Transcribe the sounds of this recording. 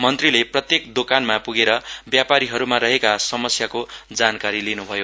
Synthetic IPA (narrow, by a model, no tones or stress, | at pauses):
mʌnt̪rileprʌt̪jekd̪okanmapuɡeɾʌbjapaɾiɦʌɾumaɾʌɦekasʌmʌsjakod͡zankaɾilinubʱʌjo